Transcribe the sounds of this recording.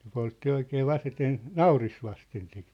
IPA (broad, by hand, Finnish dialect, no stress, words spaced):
ne poltːi oikeː ʋɑseten nɑuris ʋɑsten sit